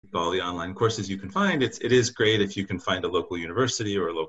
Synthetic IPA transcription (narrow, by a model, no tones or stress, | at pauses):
bɑlˠiɑ̃nlãɪ̃nkʰɔɹsɨzjɨkʰn̩fãɪ̃ndɨtsɪɾɪzɡɹeɪɾɨfjɨkɨ̃n̩fãɪ̃ndəloʊkl̩ˠjʉnɨvɜ˞sɨɾiə˞əloʊ